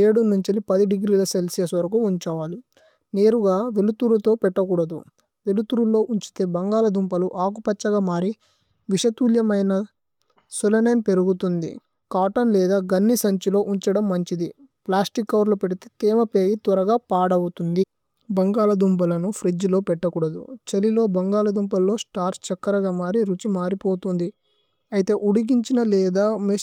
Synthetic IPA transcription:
eːɽunuɲt͡ʃilipɐd̪iɖiɡɾiːlɐselsijɐsʋɐɾɐk̬uːɲt͡ʃɐʋaːlu | neːɾuɡaːʋelut̪uːɾlɐt̪o̞ːpɛʈːɐk̬uːɽɐd̪ṵ | ʋe̞lut̪uːɾulo̞ːʔuɲt͡ʃi̥t̪e̞ːbɐŋɡaːlɐd̪umpɐluʔaːk̬upɐt͡ʃːɐɡaːmaːɾi | ʋiʂɐt̪uːljɐmɐjnɐ | sulɐnenpe̞ɾuɡut̪und̪ḭ | kaːʈɐnlɛːd̪aːɡɐnːisɐɲt͡ʃilo̞ːʔuɲt͡ʃɐɽɐmːɐɲt͡ʃid̪i | plaːsʈikːɐʋɐɾlopeɽit̪et̪eːmɐpeːjit̪ʋɐɾɐɡaːpaːɽɐwut̪und̪i | bɐŋɡaːlɐd̪umpɐlɐnupʰɾid͡ʒlo̞ːpɛʈːɐkuːɽɐd̪ṵt͡ʃɐlilo̞ːbɐŋɡaːlɐd̪umpɐlːo̞ːsʈaːɾst͡ʃɐkːɐɾɐɡaːmaːɾiɾut͡ʃimaːɾipo̞ːt̪und̪i | ɐjit̪e̞ːʔuɽiɡiɲt͡ʃinɐlɛːd̪aːme

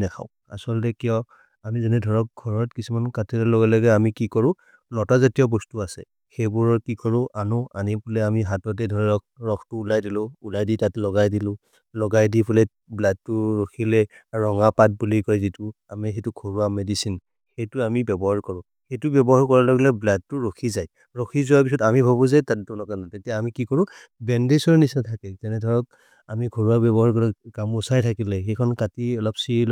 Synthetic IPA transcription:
nɛkʰa̰ʊ | a̰sɔltɛkijɔ | amizɛnɛdʱɔɹɔk̚ɡʱɔɹɔtkisumankatʰilɛlɔɡɛlɔɡɛamikikɔɹʊ̃ | lɔtazatijɔbɔstuasɛ̰ | xejbuɹɔɹkikɔɹʊ̃ʔanʊanipʰulɛamiɦatɔt̬ɛdʱɔɹɛɹɔk̚ɹɔkʰtuːlajdilʊ̃ulajditatlɔɡajdilʊ̃ | lɔɡajdipʰulɛ | bladtːuɹokʰilɛɹɔŋapat̚bulikɔjzitu | amixetukʰoɹuamedisin | xejtuamibɛbɔɦaɹkɔɹʊ̃ | xejtubɛbɔɦaɹkɔɹalɔɡilɛblad̚tʊɹokʰizaj | ɹokʰizʊapisɔtamibʱabuzɛtatdɔnɔkanɔtetijaamikikɔɹʊ̃ | bɛndesɔɹnisatʰakɛzɛnɛdʱɔɹɔk̚ | amikʰoɹuabɛbɔɦaɹkɔɹɔkamusajtʰakilɛxekʰɔnkatiɔlɔpsil

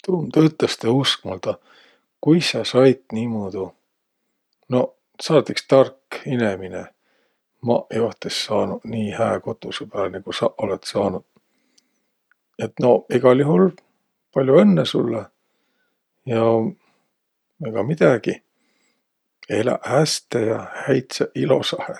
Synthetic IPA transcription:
t̪uːmt̪øyt̪lest̪eusk̚mɑlt̪ɑ | kujsɑsɑjt̪niːmoːd̪̥u | no̞ | sɑːt̪ikst̪ɑrkinemine | mɑ̰ʔejoht̪esːɑːnuniːhæːko̞t̪ːˑusepæːlneɡ̥usɑʔo̞let̪sɑːnud̪̥ | et̪no̞iɡ̥ɑlʲjuhɦul | pɑlʲjuenːesṵlːe | jɑ | eɡ̥ɑmid̪̥æɡ̥i | elæ̰ʔæst̪ejɑhæjt̪sɑʔilo̞̰sɑhe

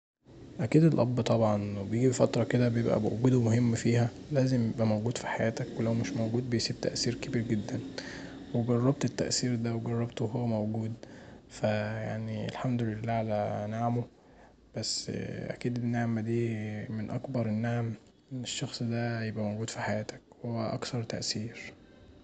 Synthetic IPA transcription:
ʔækiːd̪elʔɑbːt̪ˤɑbʕɑnbejeɡibefæt̪ɾˤɑked̪æbejebʔæ̰mowɡuːd̪omohemːfiːhæ | læːzemjebʔæmowɡuːd̪̥fi̥ħajæːt̪ækwelæwmeʃmowɡuːd̪̚bejsiːb̚t̪æ̰ʔsiːɾkebiːɾɡed̪ːæn | weɡɑrˤːɑb̚t̪et̪ːæ̰ʔsiːɾd̪æweɡɑrˤːɑbt̪weɦowːæmowɡuːd̪fæjaʕniḛlħamd̪olelːæʕalænaʕmo | b̥æsːʔæ̰kiːd̪enːaʕmːæd̪iːmenʔɑkbɑɾˤenːaʕm | eʃːɑxsˤd̪æjebʔæmowɡuːd̪̥fiħajæːt̪æ̥kwoeæʔɑ̰kθɑɾˤt̪æ̰ʔsiːɾ

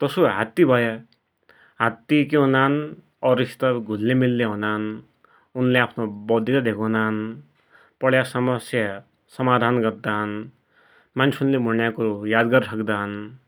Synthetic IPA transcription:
t̪ʌsoɦat̪ːibʱʌjʌ | ɦat̪ːik̬eɦunan | ʌɾist̪ʌɡʱulːemilːeɦonan | unleapʰnobʌd̪ʱit̪ʌd̪ʱekʰonan | pʌɽjasʌmʌsjʌ | sʌmad̪ʱanɡʌrd̪an | mant͡sʰiunlemʱuɳjakojad̪ɡʌrsʰʌkd̪aʌn

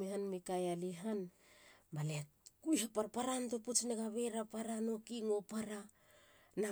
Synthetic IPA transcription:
ehanmekajaliɦanbalekujhapaɾpaɾanto̞put͡ʃneɡaβe̞ɾapaɾano̞kiŋo̞paɾa | na

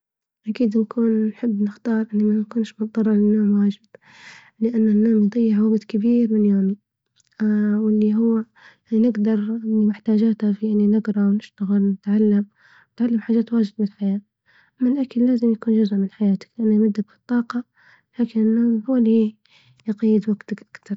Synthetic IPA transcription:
ʔakiːd̪nkʰuːnːħɪbːnɪxt̪ɑːɾˤʔɪnːimːankuːnʃmʊt̪̚ˤd̪ˤɑrˤːɑlɪnːaːmwaːʒɪb | lɪʔanːanːaːmjd̪ˤijːɪʕwaɡd̪kabiːɾmɪnjoːmi | wɪlːiɦʊwːa | jainɪɡd̪ɑɾˤɪnːimɪħt̪aːd͡ʒaːt̪hafiʔɪnːinɪɡɾˤɑwnɪʃt̪aɣɪlnɪt̪ʕalːam | nɪt̪ʕalːamħaːʒaːt̪waːd͡ʒɪd̪mɪħajaː | ʔamːalʔakɪlːaːzɪmjakuːnd͡ʒʊzʔmɪnħajaːt̪ḁklɪʔanːamɪd̪ːakfi̥t̪ˤːɑːqɑ | laːkɪnɪnːaːmhuwːalːi | jqɑjːɪd̪waɡt̪akʔakt̪ɑɾˤ

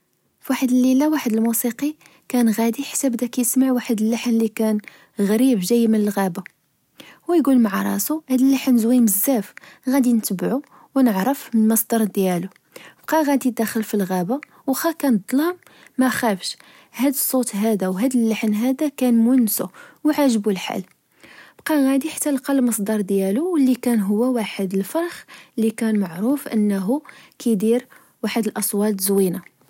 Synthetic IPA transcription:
fwaħəd̪əlːilæwaħəd̪əlmusiqi | kænɣæd̪iħḁsæbd̪ækæjəsmaʕwaħəd̪əlːəħənlikæn | ɣɾibʒæjːmənəlɣæba | wæjɡulmʕɾˤɑ̰suhæd̪əlːaħənzwiməzːæfɣæd̪inət̪əbʕu | wnəʕɾəfmənməsˤd̪ɑɾˤd̪jælu | b̥qɑɣæd̪id̪æxəlfilɣæba | wxɑkænd̪ˤlɑm | mæxæfʃ | hæd̪əsˤːot̪ɦæd̪æwɦæd̪əlːəħnɦæd̪ækænmʊnsuwʕaʒəbulħa̰l | b̥qɑɣæd̪iħḁt̪ːælqɑlmɑsˤd̪ɑɾˤd̪jæluwəlːikænɦʊwːæwaħəd̪əlfɑɾˤxlːikænmaʕɾufʔə̰nːɦukæd̪iɾ | waħəd̪əlʔɑsˤwɑt̪zwina

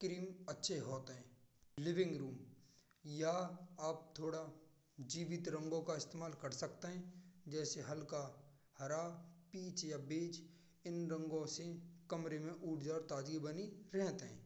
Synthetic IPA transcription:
kɾiːmɐtːʃʰeɦoːt̪ɦɛ̃ːlɪʋɪ̃ŋɡɾuːm | jaaːp̚t̪ʰoːɽa | d͡ʒiːʋɪt̪ɾə̃ŋɡõkaɪst̪eːmaːlkɐɾsɐkt̪eɦɛ̃ːd͡ʒɛːseɦɐlka | hɐɾaːpiːt͡ʃjabeːt͡ʃ | ɪnɾə̃ŋɡõsekɐmɾemẽʔuːʈʰd͡ʒaːɾt̪aːd͡ʒibəniɾɛɦt̪eɦɛ̰̃ː

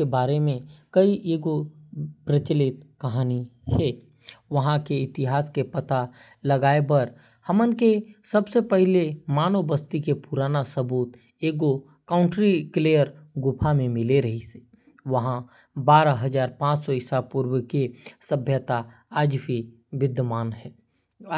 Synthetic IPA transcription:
ebaːɾemẽkɐiʔeːɡopɾət͡ʃəlɪt̪kɐɦaːnihɛ | ʋɐɦãkeɪt̪ɪɦaːskepət̪a | ləɡaːebəɾ | həmənkesəbsepəɦlemaːnobəst̪ikepuɾaːnasəbuːt̪ | eːɡo | kãːʊ̃ɳʈɾikleːjəɾɡʊpʰamẽmɪleɾɐɦise̥ | ʋəɦã | baːɾaɦəzaːɾpãːt͡ʃsɔɪsapuːɾwəkesəbʱjət̪a | aːd͡ʒbʱi | ʋɪd̪əmaːnɦɛː

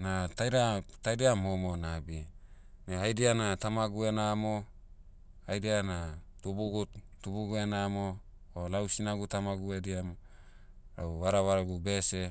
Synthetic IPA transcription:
natajɾatajdeamomonabi | neajdianat̪amaɡue̞namo | ajdianatubuɡuttubuɡuenamoː | lawsinaɡutamaɡuediamo | ɾauβaɾaβaɾaɡube̞se

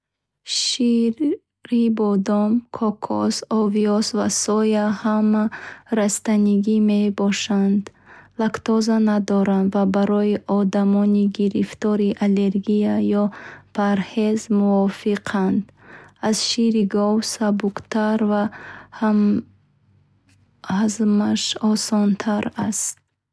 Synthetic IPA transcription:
ʃi | ɾibɔd̪ɔmkʰɔkʰɔ̰sɔviɔsvasɔjahamaɾast̪aniɡime̞bɔʃand̪lakt̪ɔzanad̪ɔɾand̪vabaɾɔiʔɔd̪amɔniɡiɾift̪ɔɾiʔale̞ɾɡijajɔpʰaɾhezmuɔfiqʰand̪ | azʃiɾiɡɔvsabukt̪ʰaɾvaham | hazmaʃɔsɔnt̪ʰaɾast̪̚

